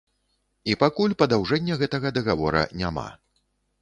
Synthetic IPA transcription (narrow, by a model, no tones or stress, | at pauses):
ipakulʲpɐd̪awʐɛnʲːɐɣɛt̪ɐɣɐd̪ɐɣavɔɾɐ̰nʲama̰